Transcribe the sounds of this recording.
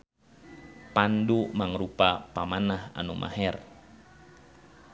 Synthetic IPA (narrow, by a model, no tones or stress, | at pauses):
pandumaŋɾupapamanaha̰numʔa̰hɛr